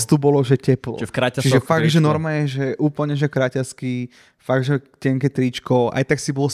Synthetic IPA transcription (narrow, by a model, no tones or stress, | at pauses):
st̪ubɔlɔʒɛcɛplɔ̰ɾat͡ʃiʒɛffaɡʒɛnɔɾmajɛʒɛʔuːpl̩ɲɛʒɛkɾacaski | faɡʒɛcɛŋkɛt̪ɾit͡ʃkɔʔa̰jt̪aksibɔlɔ